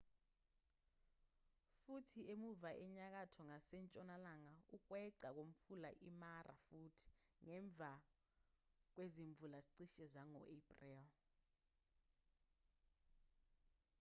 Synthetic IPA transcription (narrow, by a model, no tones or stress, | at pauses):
futʰiemuvaʔɛɲak̬atʰɔŋasɛnt͡ʃʼɔnalaŋauk̬wɛǀak̬om̩fulaʔimarʔa̰fuːtʰi̥ŋɛɱb̪vʱa | k̬weziɱb̪vʱulaziǀiʃɛzaŋɔ̰ʔepʼrɛl